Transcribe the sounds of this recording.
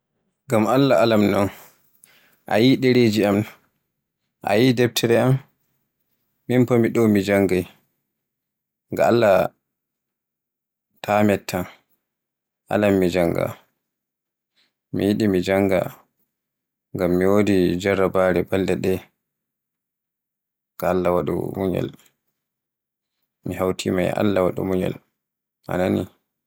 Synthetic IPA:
ŋɡamalːaalamnɔn | ʔa̰jiɗɛɾed͡ʒiam | ʔa̰jidɛb̚tʰɛɾɛam | impomiɗɔwmid͡ʒaŋɡaj | ŋɡa̰alːa | tʰaːmɛtʰːan | ʔa̰lamːid͡ʒaŋɡa̰ | mijiɗimid͡ʒaŋɡa̰ | ŋɡamːiwodid͡ʒaɾːabaɾɛbaldɛɗɛ | ɡ̥aːlːawaɗṵmuɲɛ̰l | mihawtʰima̰ja̰lːawaɗṵmuɲɛ̰l | ʔa̰nani

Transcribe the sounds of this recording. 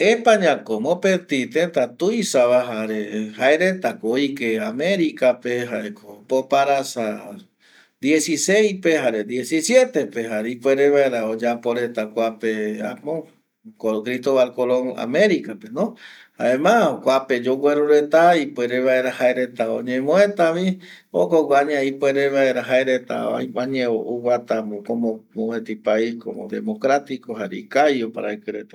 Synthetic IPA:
epaɲãkomõpet̪it̪ent̪at̪ujsaβaɦaɾehaeɾet̪akoojkeamẽɾikapeɦaekopopaɾasa | d̪je̞sisejpehaɾed̪jesisje̞t̪e̞peɦaɾipweɾeβaeɾaod͡ʒapoɾet̪akʷapea̰mõ | kokɾist̪oβalkoloŋa̰mẽɾikapenõ | haemãkʷaped͡ʒoɡʷeɾuɾe̞t̪aipweɾeβaeɾahaeɾet̪ao̰ɲẽmõet̪aʋi | okoɡʷaɲeaipweɾeβaeɾaɦaeɾet̪a̰a̰jaɲẽoʔuwat̪amokomomoβẽt̪ipaikomõ̰d̪ḛmokɾat̪ikoɦaɾḛikajopa̰ɾaekɨɾet̪ḁ

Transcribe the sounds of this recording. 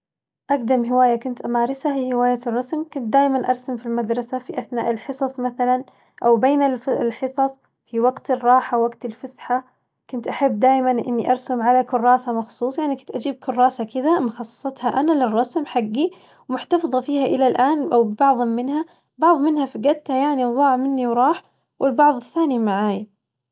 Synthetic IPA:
ʔaɡd̪amɦɪwaːjakʊnt̪ʔamaːɾˤɪsafihɪwaːjarˤːɑsmkʊnt̪̚d̪aːjmanʔɑɾˤsamfilmad̪ɾˤɑsafiʔaθna̰ːʔɪlħɨsˤɑsˤmaθalan | ʔawbeːnɪllħɨsˤɑsˤ | fiwaɡt̪ɪrˤːɑːħawaɡt̪ɪlfasħa | kʊnt̪ʔaħabːd̪aːjmanʔɪ̰nːiʔɑɾˤsʊmʕalakʊrˤːɑːsamɑxsˤuːsˤjaʕnikʊnt̪ʔad͡ʒiːb̚kʰʊrˤːɑːsakɪd̪amʊxɑsˤːɑ̥sˤɑt̪haʔanalɪrˤːɑsmħaɡːi | wmʊħt̪ɑfðˤɑfiːhaʔɪlalʔaːnʔawbɪbɑʕðˤɪmːɪnha | bɑʕðˤmɪnhafaɡat̪ːhajaʕniwðˤɑːʕmɪnːiwɾˤɑːħ | wʔɪlbɑʕðˤɪθːaːnimaʕaːja

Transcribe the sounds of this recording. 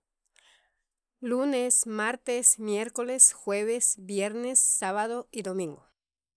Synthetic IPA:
lunesmaɾt̪esmjeɾkolesxweβesbjeɾnesːaβaðoid̪omĩŋɡo

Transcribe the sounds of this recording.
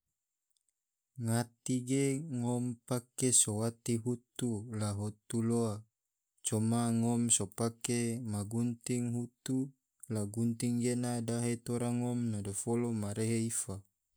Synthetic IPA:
ŋat̪iɡeŋɔmpakesowat̪iɦut̪ulaɦot̪uloa | t͡ʃɔmaŋɔmsopakemaɡunt̪iŋɦut̪u | laɡunt̪iŋɡenadaɦet̪oɾaŋɔmnadofolomaɾeɦeifa

